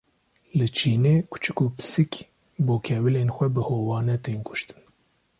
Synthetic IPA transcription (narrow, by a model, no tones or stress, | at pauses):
lɨt͡ʃʰiːneːkʰʊ̥t͡ʃʰɨkupɨ̥sɨk | boːkʰɛwɨleːnxʷɛbɨhoːwɑːnɛt̪eːnkʰʊ̥ʃt̪ɨ̥n